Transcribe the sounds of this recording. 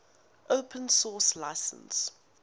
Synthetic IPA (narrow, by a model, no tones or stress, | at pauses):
ʔopʰə̃nsɔːslaɪsə̰̃ns